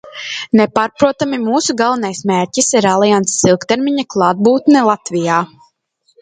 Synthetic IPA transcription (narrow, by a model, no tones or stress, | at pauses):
nɛpaːɾpɾuɔt̪amimuːsuɡalˠvanajsmeːɾʲcisiɾalˠijant̪ssilˠkt̪ɛɾmiɲaklˠɑːd̪̚buːt̪nɛlˠat̪vijaː